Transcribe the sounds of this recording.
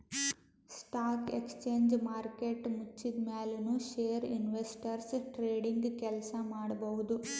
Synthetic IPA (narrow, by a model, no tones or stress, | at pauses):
sʈaːkekst͡ʃeːɲd͡ʒmaːɾkeʈmut͡ʃːid̪meːlenuʃeːɐɾḭnʋesʈɐɾsʈɾeːɖiŋɡkɛlsɐmaːɽɐbɐʋud̪u